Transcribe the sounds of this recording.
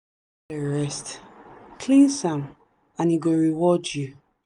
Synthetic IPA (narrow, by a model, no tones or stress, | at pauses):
əɹɛstkʰlĩnsãm | ãniɡoɹiwɔd͡ʒju